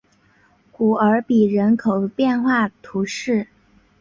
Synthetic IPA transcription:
ku˨˩ə˞˧˥pi˨˩ɻə˧˥nkʰo˨˩ʊpjɛ˥˧nxwa˥˩t̪ʰu˧˥ʂɻ̩˥˩

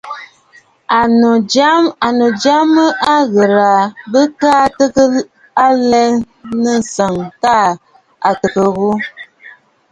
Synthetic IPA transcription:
a˨a˦a˨no˨d͡ʒa˦mə˦ʔa˦ɣə˨ɾa˨bə˦kaː˦tə˦kə˦ | a˦lɛ˦ | nə˦n̩˨sə˨ŋta˦˨ | a˨tə˨kə˨ɣu˦

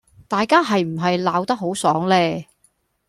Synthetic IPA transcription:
t̪aː˨jkaː˥ɦɐ˨jm̩˨˩ɦɐ˨jlaː˨˧wt̪ɐ˥k̚ɦo˨˥wsɔː˨˥ŋlɛː˥

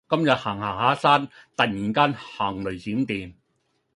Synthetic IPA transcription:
kɐ˥mjɐ˨t̚haː˨˩ŋhaː˨˩ŋhaː˨˥saː˥nt̪ɐ˨t̚jiː˨˩ŋkaː˥nhaː˨˩ŋlɵ˨˩ɥt͡siː˨˥mt̪iː˨m

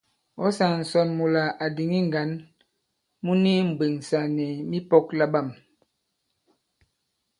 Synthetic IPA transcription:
ɔ˦sa˨n̩˨sɔ˨nmu˨la˨ʔa˨di˨ŋi˦ŋ˨ɡa˨˦n | mu˦ni˦m̩˨ɡ͡be˨ŋsa˨nɛ˨mi˦pɔ˦k̚la˦ba˦˨m

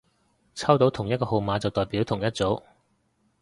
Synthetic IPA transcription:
t͡sʰɐ˥wt̪o˨˥wt̪ʰʊ˨˩ŋjɐ˥kɔː˧ho˨˧wmaː˨˧t͡sɐ˨wt̪ɔː˨˩jpiː˨˥wt̪ʰʊ˨˩ŋjɐ˥t̚t͡so˨˥w

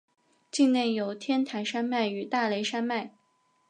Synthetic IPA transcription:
t͡ɕi˥˧ŋne˥˩jo˧˥ʊt̪ʰjɛ˥nt̪ʰa˧˥ɪʂa˥nma˥˩ɪy˨˧˥t̪a˥˩le˧˥ɪʂa˥nma˥˩ɪ

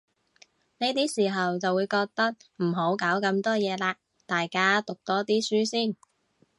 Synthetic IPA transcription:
ne˥t̪iː˥siː˨˩ɦɐ˨wt͡sɐ˨wuː˨˧jkɔː˧k̚t̪ɐ˥k̚m̩˨˩ɦo˨˥wkaː˨˥wkɐ˧˥mt̪ɔː˥jɛː˨˧laː˧ | t̪aː˨jkaː˥t̪ʊ˨k̚t̪ɔː˥t̪iː˥syː˥siː˥˩n

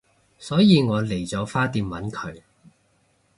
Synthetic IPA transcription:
sɔː˨˥jiː˨˧ŋɔː˨˧le˨˩jt͡sɔː˨˥faː˥t̪iː˨˧mwɐ˨˥nkʰɵ˨˧ɥ

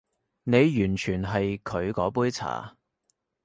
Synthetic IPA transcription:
ne˨˧jjyː˨˩nt͡ʃʰyː˨˩nɦɐ˨jkʰɵ˨˧ɥkɔː˨˥puː˥jt͡sʰa̰ː˨˩

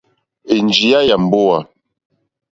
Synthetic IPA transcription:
e˨nd͡ʒi˨ja˦ja˨m̩˨bo˦a˨

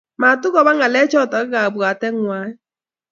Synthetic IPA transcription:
ma˨tʊ˦ɣɔ˨βa˦ŋa˨lɛ˦t͡ʃɔ˦˨ta˨ɣa˦ɣa˨bwa˨tɛ˦ŋwa˦ɛ˦

